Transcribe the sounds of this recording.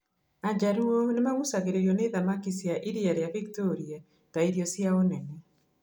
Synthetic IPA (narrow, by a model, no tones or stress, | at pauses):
ad͡ʑaɾuɔnemaɣusaɣeɾeɾjɔneðamakisjaʔiɾiaɾeaβiktoɾia | taiɾiɔsjaonɛnɛ